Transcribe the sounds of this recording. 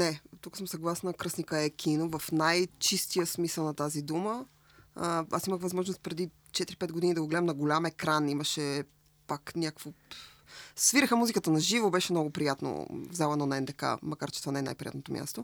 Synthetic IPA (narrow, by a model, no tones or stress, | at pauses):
nɛt̪ukəsəmsɐɡlˠasnəkɾɤsnikəɛkʲʰinovɐfnajt͡ʃist̪ijəsmisəlˠnɐt̪azid̪umə | əasiməxvɐzmɔʒnost̪̚pɾɛd̪i | t͡ʃɛt̪iɾipɛt̪ɡod̪inid̪ɐɡoɡlɛd̪əmnɐɡolʲamɛkɾaniməʃɛ | paknʲakkvo | sviɾəxəmuzikət̪ənɐʒivobɛʃɛmnɔɡopɾijat̪no̰vzalˠɐnonɛnt̪ɐka̰mɐkaɾt͡ʃɛt̪ovanɛna̰jpɾijat̪not̪omʲja̰st̪o